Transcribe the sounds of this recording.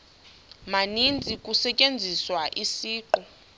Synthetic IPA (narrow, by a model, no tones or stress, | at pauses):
manind͡zʱikʼusɛcʼend͡zʱiswaʔisiːǃu